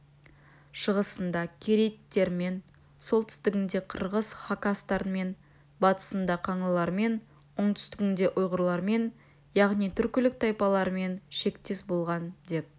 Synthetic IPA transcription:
ʃəʁəsənd̪ɑkʲʰeɾet̪ːe̞ɾme̞n | so̞lˠt̪ʰʏ̥st̪ɪɡʲɪnd̪e̞qʰəɾʁəzχakast̪ɑɾənme̞n | bɑt̪ə̥sənd̪ɑqʰɑɴlˠəlˠɑɾme̞n | ʊɴt̪ʰʏ̥st̪ɪkʲɪnd̪e̞ʔʊjʁəɾlˠɑɾme̞n | jɑʁnijt̪ʰʏɾkʲɪlɪk̚t̪ʰɑjpɑlˠɑɾəme̞nʃe̞kt̪esbo̞lˠʁɑnd̪e̞p̚

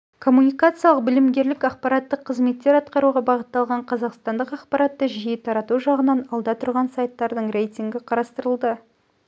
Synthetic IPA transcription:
kʰo̞munʲijkat̪sɨjɑlˠəq̚bɪlɪmɡʲe̞ɾlɪkɑqpɑɾɑt̪ːəqʰːəzme̞t̪ːe̞ɾɑt̪qɑɾuʁɑbɑʁət̪ːɑlˠʁɑɴqʰɑzɑqst̪ɑnd̪əqɑqpɑɾɑt̪ːəʒijɪt̪ʰɑɾɑt̪uʒɑʁənɑnɑlˠd̪ɑt̪ʰʊɾʁɑnsajt̪ːɑɾd̪əɴre̞jt̪ʲiŋɡʲɪqʰɑɾɑst̪əɾəlˠd̪ə

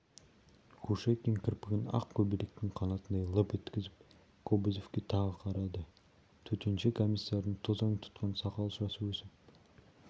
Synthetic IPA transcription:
kʰuʃekʲeŋkʲʰɪɾpɪɡʲɪnɑ̰qkʲʰɵbilɾek̚t̪ɪŋqʰɑnɑt̪ənd̪ɑjlˠəpet̪kʲɪzɪp̚ | kʰobɪzofkʲet̪ʰɑʁəqʰɑɾɑd̪ə | t̪ʰɵt̪e̞nʃekʰomʲisːɑɾənt̪ʰozɑŋt̪ʰʊ̥t̪qɑnsɑqɑlˠʃɑsəwɵsɪp̚

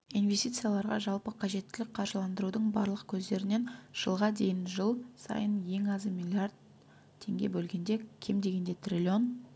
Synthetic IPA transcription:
invʲe̞st̪ijt̪sɨjalˠɑɾʁɑ̰ʒɑlˠpəqʰɑʒe̞t̪ːɪlɪk̚ʲqʰɑɾʒəlˠɑnd̪əɾud̪əɴbɑ̰ɾlˠəqkʲʰɵzd̪e̞ɾɪne̞nʒ̥əlˠʁɑd̪e̞jɪnʒəlˠsɑ̰jənje̞ŋɑzəmʲilʲiard̪̚ | tʰːe̞ŋɡʲe̞̰bɵlɡʲe̞nd̪e̞kʲʰe̞md̪e̞ɡʲe̞nd̪e̞t̪ʰrʲilʲio̞n

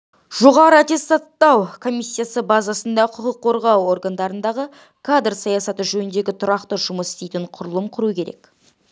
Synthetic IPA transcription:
ʒ̥o̞ʁɑɾəat̪ʲe̞st̪ɑt̪ːɑwkʰo̞mʲijsʲːijasəbazɑsənd̪ɑqʰʊqəqʰːo̞ɾʁɑwo̞rɡand̪ɑɾənd̪ɑʁə | kʰad̪rsɑjɑsɑt̪əʒɵnɪnd̪e̞ɡʲɪt̪ʰʊɾɑqt̪əʒʊməsɪ̥st̪e̞jt̪ɪɴqʰʊɾəlˠəmqʰʊɾukʲʰe̞ɾe̞k

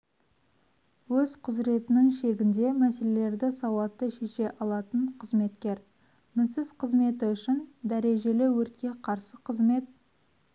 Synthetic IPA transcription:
wɵz̥qʰʊzɾe̞t̪ɪnɪŋʃe̞ɡʲɪnd̪e̞mæse̞le̞le̞ɾd̪ɪsɑwɑt̪ːəʃe̞ʃe̞ʔɑlˠɑt̪əɴqʰəzme̞t̪kʲe̞ɾ | mɪnsɪz̥qʰəzme̞t̪ɪʏʃɪnd̪æɾe̞ʒe̞lɪwɵɾt̪̚kʲe̞qʰɑɾsəqʰəzme̞t̪̚

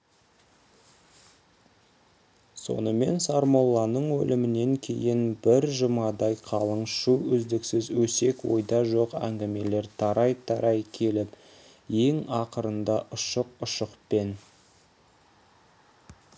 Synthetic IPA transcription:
so̞̰nəme̞nsɑɾmolˠːɑnəɴwɵ̰lɪmɪne̞ŋkʲʰe̞̰jɪnbɪɾʒəmɑd̪ɑjqʰɑlˠəɴʃuʏzd̪ɪksɪzwɵse̞kwo̞̰jd̪ɑʒo̞qæ̰ŋɡʲɪme̞le̞ɾt̪ʰɑɾɑjt̪ʰɑɾɑjkʲʰe̞lɪp | je̞ŋɑqəɾənd̪ɑʔʊʃəqʊʃəqpe̞n

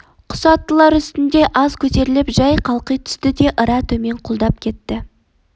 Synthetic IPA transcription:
qʰʊ̥sɑt̪ːəlˠɑɾʏst̪ɪnd̪e̞ʔɑzkʲʰɵt̪e̞ɾɪlɪpʒɑjqʰɑlˠqijt̪ʰʏ̥st̪ɪd̪e̞ʔəɾɑt̪ʰɵme̞ɴqʰʊlˠd̪ɑp̚kʲʰe̞t̪ːɪ

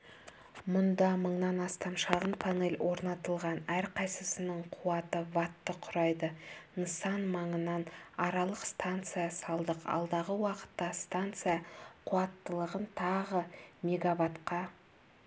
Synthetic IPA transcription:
mʊnd̪ɑməɴnɑnɑst̪ɑmʃɑʁənpʰane̞lʲwʔo̞ɾnɑt̪əlˠʁɑnæɾqʰɑjsəsənəɴqʰuɑt̪əvɑt̪ːəqʰʊɾɑjd̪ənəsɑnmɑɴənɑnɑɾɑlˠəqst̪ant̪sɨjasɑlˠd̪əqɑ̰lˠd̪ɑʁəwɑqə̥t̪ːɑst̪ant̪sɨjaqʰʊɑt̪ːəlˠəʁənt̪ʰɑʁəme̞ɡavat̪qɑ

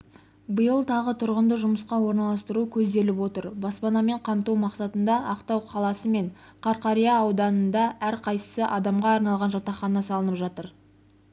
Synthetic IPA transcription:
bəjəlˠt̪ʰɑʁət̪ʰʊɾʁənd̪əʒʊməsqɑwo̞ɾnɑlˠɑst̪əɾukʲʰɵzd̪e̞lɪpwo̞t̪əɾbɑspɑnɑme̞ɴqʰɑmt̪uwmɑqsɑt̪ənd̪ɑʔɑqt̪ɑwqʰɑlˠɑsəme̞ɴqʰɑɾqɑɾijɑːwd̪ɑnənd̪ɑæɾqʰɑjsə̥səʔɑd̪ɑmʁɑːɾnɑlˠʁɑnʒɑt̪ɑχɑnɑsɑlˠənəpʒɑt̪əɾ

